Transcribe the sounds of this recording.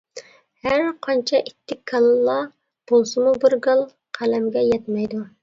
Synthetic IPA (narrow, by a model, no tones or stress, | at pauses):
hæɾqʰɑnt͡ʃʰɛʔit̪ʰːɪkʰːɑlˠlˠɑ | b̥olˠsɨmubɪɾɡɨlˠ | qʰælɛmɡʲɛjɛt̪mɛjd̪u